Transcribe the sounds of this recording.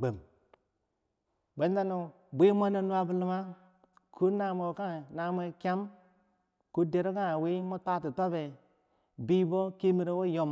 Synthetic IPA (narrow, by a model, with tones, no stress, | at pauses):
ɡ͡be˨m | be˨˦n˦da˦nu˨ | bʷe˦m˦a˦ne˦nu˦a˨bu˦lu˨ma˦ | kʰu˦na˨mo˨ka˦˨na˨m˦e˦kʲa˦m | ku˦de˨ɾo˦ka˦˨we˦mo˦ta˦ti˨ta˦be˨ | bi˦bo˦ki˦mi˨ɾe˦wo˦jo˨m